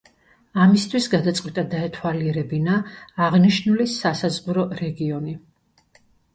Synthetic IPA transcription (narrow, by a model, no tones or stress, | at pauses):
amist̪ʰwisɡad̪at̪sʼqʼwit̪ʼad̪aɛt̪ʰwaliɛɾɛbinaːʁniʃnulisasazʁuɾɔɾɛɡiɔni